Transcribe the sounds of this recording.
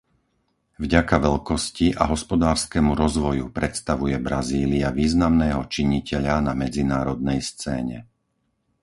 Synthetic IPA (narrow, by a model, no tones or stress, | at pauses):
vɟakaʋɛʎkɔsciʔa̰ɦɔspɔd̪aːɾskɛmuɾɔzʋɔjupɾɛt̪st̪aʋujɛbɾaziːliaʋiːznamnɛːɦɔt͡ʃiɲicɛʎanamɛd͡zinaːɾɔd̪̚nɛjst͡sɛ̰ːɲɛ̰